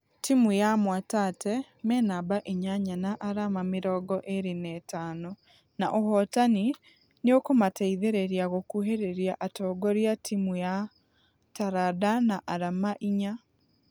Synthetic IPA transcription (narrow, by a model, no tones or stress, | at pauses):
timujamwatatɛ | mɛnabaʔeɲaɲanaʔaɾamamɪɾɔːɡɔʔeɾinɛːtaːno | naʔoɦɔtani | neokomatɛiðeɾeɾiaɣokuɦeɾeɾjaʔatɔːɡɔɾjatʰimuja | taɾadanaʔaɾamaʔiɲa